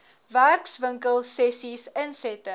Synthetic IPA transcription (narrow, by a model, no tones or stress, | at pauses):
værksvəŋkəlˠsɛsisənsɛtə